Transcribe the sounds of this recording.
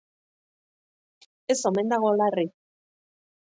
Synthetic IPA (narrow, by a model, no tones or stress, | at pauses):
esome̞nd̪aɣ̞olari